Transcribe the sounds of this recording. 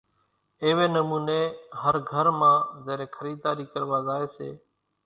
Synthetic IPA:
ɪːʋeːnəmuːneːɦəɾɡʱəɾmãːzeːɾeːkʰəɾiːd̪aːɾiːkəɾʋaːzaːeːsḛː

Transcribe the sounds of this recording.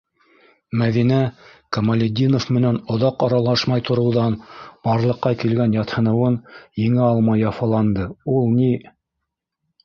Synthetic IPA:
mæðinækɐmɐlʲed̪ʲinofmɘ̆nænŏðɑqɑɾɑlˠɑʃmɑjt̪ŏɾɤ̆wðɑnb̥ɑɾlˠɤ̆qːɑkilɡænjɑt̪hɤ̆nɤ̆wɤnjɘ̆ŋɘɑlˠmɑjːɑfɑlˠɑnd̪ɤulˠni

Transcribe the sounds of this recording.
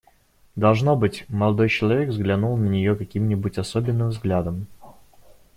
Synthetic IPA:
d̪ɐlˠʐno̞bɨtʲməlˠɐd̪o̞jt͡ɕɪlˠɐvʲe̞kvzɡlʲɐnulˠnənʲɪjokɐkʲimnʲɪbutʲɐsobʲɪnːɨmvzɡlʲad̪əm

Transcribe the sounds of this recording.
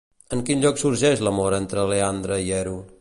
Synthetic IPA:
əŋkinʎɔksuɾʒɛʃləmoɾent̪ɾəleand̪ɾəiɛɾu

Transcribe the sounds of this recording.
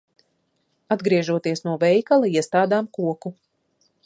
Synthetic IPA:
ad̪ɡɾiɛʒuɔt̪iɛsnuɔvɛjkalˠaiɛst̪aːd̪aːmkuɔku

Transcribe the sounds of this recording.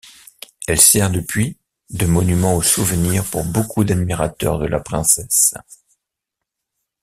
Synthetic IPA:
ɛlsɛʁd̪əpɥi | d̪əmɔnymɑ̃osuvəniʁpuʁbokʰud̪ad̪miʁat̪œ̰ʁd̪əlʔa̰pχɛ̃sɛs

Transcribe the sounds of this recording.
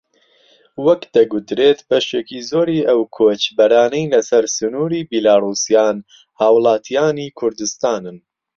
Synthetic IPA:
wɐkd̪̥ɐɡut̪ɾeːt̪b̥ɐʃeːkizoːɾiːʔɐwkʰoːt͡ʃbɐɾaːnɛjlɐsɐɾsɨnuːɾiːbilaːruːsijaːn | haːwɨlˠaːt̪ʰijaːniːkʰʊɾd̪ɨst̪aːnɨn

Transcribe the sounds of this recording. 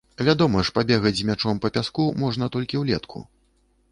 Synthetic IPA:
vʲad̪ɔmɐʂpabʲɛɣɐd͡zʲzmʲat͡ʂɔmpɐpʲaskumɔʐnɐt̪ɔlʲkʲiwlʲɛt̪kʰṵ

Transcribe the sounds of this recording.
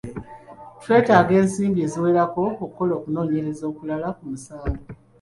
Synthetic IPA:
twe̞ːtaːɡe̞ːnsiːmbie̞ːziwe̞ːɾako̞okːo̞lo̞ːkuno̞ːɲe̞ɾe̞zo̞ːkulalakumusaːɡo

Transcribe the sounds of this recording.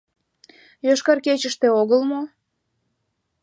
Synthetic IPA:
joʃkɑrket͡ɕəʃt̪eoɣəlmo

